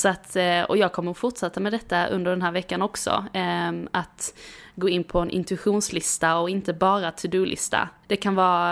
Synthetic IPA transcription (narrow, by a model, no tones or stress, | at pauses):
sɔat̪ɔ̰jɑːɡ̚kʰɔmːəɾfʊʈʂat̪ːamɛd̪ɛt̪ːaʔɵ̰nd̪əɖɛnɦæːɾvɛkːanɔksɔ̰ | at̪ɡoːɪnːpʰɔɛnʔɪ̰nt̪ʉɪɧuːnslɪst̪aɔɪnt̪əbɑːɾat̪ʰʉd̪ʉːlʔɪ̰st̪a̰d̪̥ɛkʰanvɑː